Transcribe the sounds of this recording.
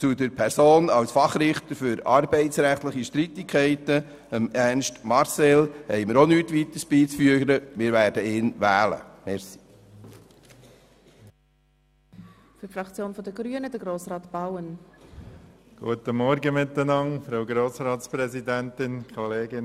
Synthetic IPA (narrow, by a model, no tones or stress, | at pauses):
t͡sud̪əɾpʰɛɾsoːnɑlsfɑχɾɪχt̪əɾfʏɾɑɾbɛɪtsɾæχt̪ləχiʃtɾit̪ɪkʰɛɪtə | əmænʃtmɑɾsɛlhɛɪməɾonyt̪ʋit̪əsb̥iːt͡sfyəɾəmɪːɾvæːɾd̥əɪːnvæːlə̰mɛɾsi̥ | fyfɾɑkt͡sjoːnfɔdəɡɾyənəd̥əɡɾoːsɾɑːtb̥awən | ɡ̥ṵət̪əmɔɾɡəmɪt̪ːənɑŋfɾaʊɡɾoːsɾɑːtspɾɛzid̪ænt̪ɪnkʰɔleːɡɪn